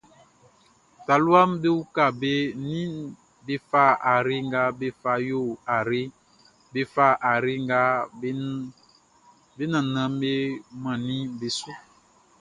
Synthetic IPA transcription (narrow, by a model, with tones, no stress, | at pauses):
t̪a˨lu˦a˦mbe˦wu˦ka˦˨be˦nĩ˦ | be˦fa˦a˨ɾe˦ŋ˦ɡa˦be˦fa˨jo˦˨a˨ɾe˦ | be˦fa˦ʔa˨ɾe˦ŋɡa˦ | be˦nã˨nã˨m˦be˦mã˨nĩ˦be˨˦su˦